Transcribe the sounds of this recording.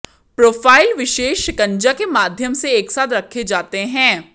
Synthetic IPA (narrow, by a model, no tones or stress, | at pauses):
pɾoːfʰaːɪlʋɪʃeːʃkɐ̃ɲd͡ʒakemaːd̪ʱjəmseeːksaːt̪ɾɐkʰːed͡ʒaːt̪eɦɛ̃ː